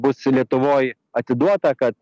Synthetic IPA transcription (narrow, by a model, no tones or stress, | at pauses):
bʊslʲiɛt̪ʊʋoːj | ɐt̪ʲɪd̪uɔt̪ɐkɐt̪